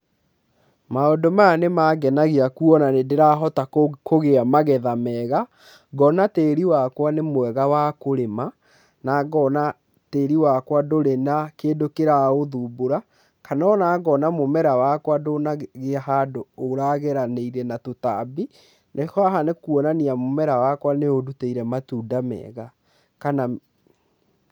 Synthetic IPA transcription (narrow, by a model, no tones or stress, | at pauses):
maodomanemaɡɛnaɣeakuɔnanedeɾaɦɔtakoɣeamaɣɛðamɛɣa | ɡɔnateːɾiwakwanemowɛɣawakoɾema | naɡɔna | teːɾiwakwadoɾenakeːndokeɾaoðuboɾa | kanɔnaːɡɔnamomɛɾawakwadonaɣeahadoːɾaɣɛɾaneiɾɛnatotabi | nehɔaɦanekuɔnaniamomɛɾawakwaneoduteiɾɛmatuːdamɛ̰ːɣa | kana